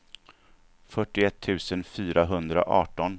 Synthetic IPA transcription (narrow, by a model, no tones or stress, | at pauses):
fœʈːɪɛt̪ʰːʉ̟ːsənfyːɾaɦɵnd̪ɾa̰ʔɑːʈɔn